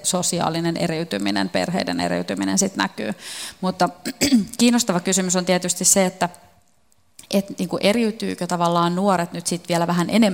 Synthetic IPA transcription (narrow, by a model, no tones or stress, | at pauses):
sosiɑ̰ːlinenʔḛɾiyt̪yminḛnpḛrɦḛidḛnḛɾḭyt̪yminḛnsit̪næ̰ky̰ːmut̪ːɑkiːnːost̪ɑʋɑkysymysont̪iɛt̪yst̪isseet̪ːæ | ʔet̪niːŋkuʔeɾiyt̪yːkøt̪ɑʋɑlːɑːnnuoɾet̪nyt̪sit̪ʋiɛlæʋæɦænʔene